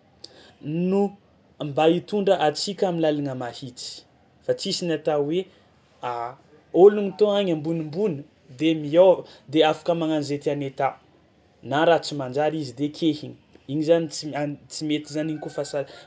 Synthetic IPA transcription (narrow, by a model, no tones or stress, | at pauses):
nu | ambait̪uɳɖ͡ʐəʔat͡sikʲaminlalanəmahit͡si̥ | fat͡sisinat̪awe | a | oluŋit̪oaŋambunimbunə | d̪emiawd̪eafḁkəmaŋanzet̪ianet̪a | naɾat͡simand͡ʒaɾizid̪ekʲʰehiɲiiɲizanit͡siant͡simet̪izaniɲkufasa